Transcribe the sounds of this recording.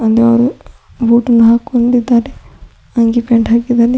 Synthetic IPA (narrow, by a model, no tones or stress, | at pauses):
ɐnd̪eɐʋɐɾu | buːʈɐnːuɦaːkoɳɖid̪ːaːɾe | ɐŋɡipeɳʈɦaːkid̪aɾe